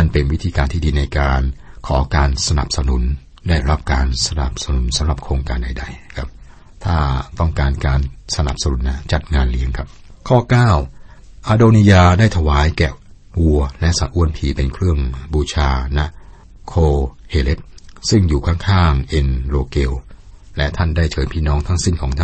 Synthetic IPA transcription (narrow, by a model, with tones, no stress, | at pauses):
ma˧˩npe˧nwi˦˥t̪ʰiː˧kaː˧nt̪ʰiː˥˩diː˧na˧jkaː˧nkʰɔː˩˦kaː˧nsa˧na˨˩p̚sa˧nu˨˩˦n | daː˥˩jɾa˦˥˩p̚kaː˧nsa˧na̰˨˩p̚sa˧nu˨˩˦nsa˨˦mɾa˨˩p̚kʰɾoː˧ŋkaː˧nda˧jda˧jkʰa˦˥p̚ | t̪ʰaː˥˩t̪ɔ˥˩ŋkaː˧nkaː˧nsa˧na̰˨˩p̚sa˧nu˨˩˦nːa˦˥t͡ɕa˨˩t̪̚ŋaː˧nli˧˦˥əŋkʰa˦˥p̚ | kʰɔː˥˩kaː˥˩w | ʔaː˧doː˧ni˧jaː˧daː˥˩jt̪ʰa˧waː˩˦jkɛ˨˩ | wu˧ɐlɛ˦˥ʔsa˨˦t̪ʔu˧ənpʰiː˨˩pe˧nkʰɾɯ˥˩əŋbuː˧t͡ɕʰaː˧na˦˥ | kʰoː˧heː˧le˦˥t̪̚sɯ˥˩ŋjuː˨˩kʰa˥˩ŋkʰaː˥˩ŋʔe˧nloː˧keː˧wlɛ˦˥t̪ʰa˥˩ndaː˥˩jt͡ɕʰɤː˨˦jpʰiː˥˩nɔː˦˥ŋt̪ʰa˦˥ŋsi˥˩nkʰɔː˩˦ŋt̪ʰa˥